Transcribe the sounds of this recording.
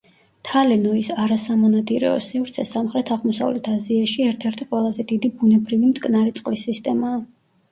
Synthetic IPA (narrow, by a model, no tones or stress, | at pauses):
t̪ʰalɛnɔisaɾasamɔnat̪ʼiɾɛ̰ɔ̰sivɾt̪sʰɛsamχɾɛt̪ʰaʁmɔsa̰vlɛt̪ʰaziaʃiɛɾt̪ʰɛɾt̪ʰiqʼwɛlˠazɛd̪id̪ibunɛbɾivimt̪ʼkʼnaɾɛt̪sʼqʼlisːist̪ʼɛmaː